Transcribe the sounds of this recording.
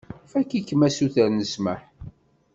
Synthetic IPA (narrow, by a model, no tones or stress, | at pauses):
fækːikːəmæsuθəɾnəsməħ